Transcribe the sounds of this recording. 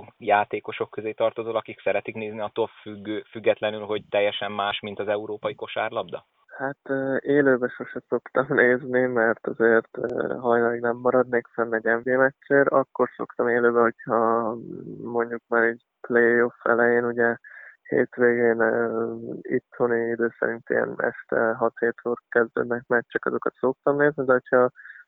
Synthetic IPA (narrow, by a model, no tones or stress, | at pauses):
jaːt̪eːko̞ʃo̞kːøzeːt̪ɒrt̪ozoːlɒkiksɛɾɛt̪ikneːzniɒt̪ːolfyɡøfyɡːɛt̪lɛnylɦo̞ɟ̚t̪ɛjːɛʃɛmːaːʃmint̪ɒzɛuɾoːpɒjiko̞ʃaːrlɒbd̪ɒ | hat̪ːeːløːbɛʃo̞ʃɛso̞kt̪ɒmneːznimɛrt̪ɒzeːrt̪ːɦɒjnɒlɛɡnɛmːɒɾɒd̪neːkfɛnːɛɟɛɱveːmɛt͡ʃːeːɾɒkːo̞rso̞̰kt̪ɒmeːløːbɛɦo̞chɒ | mo̞ɲɟuk̚maːɾɛɟ | plejo̞fɛ̰lɛjeːnuɟɛhḛːt̪ʋeːɡeːn | it̪honiid̪øːsɛ̰ɾint̪ḭɛ̰nɛ̰ʃt̪ɛ̰ɦɒt̪heːt̪oːrkɛzd̪ø̰ːd̪nɛk̚mɛt͡ʃːɛkɒzo̞kɒt̪so̞k̚t̪ɒmneːznid̪ɛɦo̞chɒ